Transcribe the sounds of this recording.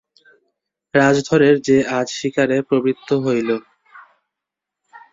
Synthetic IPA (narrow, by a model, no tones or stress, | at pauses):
ɾad͡ʑd̪ʱoɾeɾd͡ʑead͡ʑʃikaɾepɾobɾit̪ʰːoɦojlo